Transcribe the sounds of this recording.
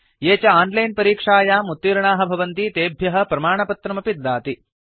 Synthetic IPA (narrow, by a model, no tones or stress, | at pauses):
jeːt͡ʃɐaːnlɐjnpɐɾiːkʂaːjaːmut̪ːiːɾɐɳaːɦɐbʱɐʋɐnt̪it̪eːbʱjɐɦɐ̆pɾɐmaːɳɐpɐt̪ɾɐmɐpid̪ːaːt̪i